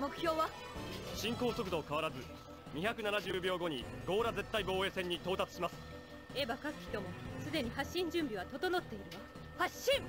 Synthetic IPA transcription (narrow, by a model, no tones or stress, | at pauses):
mo̞kɯ̟̥çʲo̞ːβa | ɕĩŋko̞ːso̞kɯd̪o̞kaβaɾazɨ | ɲ̟içakɯ̟nanaʑɨːbʲjo̞ːɡo̞ɲ̟iɡo̞ːɾaze̞t̪ːaibo̞ːe̞ːsẽ̞ɲ̟ːit̪o̞ːt̪at͡sɨ̥ɕimasɨ̥ | e̞bakakɯ̟̥çʲi̥t̪o̞mo̞sɨd̪e̞ɲ̟iɦaɕːĩɲ̟d͡ʑɨ̃mbʲiβ̞at̪o̞t̪o̞no̞t̪ːe̞iɾɯma | haɕːĩŋ